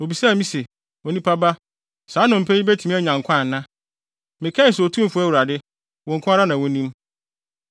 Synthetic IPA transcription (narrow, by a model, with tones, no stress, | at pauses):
o˨bi˨sa˦˨mĩ˦se˨ | ɔ˨nĩ˦pʰa˦ba˦ | saː˨˦nʊ̃˨m̩˨pʰæ˦i˦be˦tʰu˨mĩ˦ɛ˦˨ɲã˨ŋ˨kʷʰã˦˨n˨nːã˦ | mɪ̃˨kʰɛ̃˦n̩˨so˨tʰũ˦m˨fʊ˦æ˦˨wu˨ɾa˨dɪ˦ | wɔ̃˨ŋ̩˨kʰʊ̃˦a˦ɾa˦nã˨wʊ̃˦nĩ˦m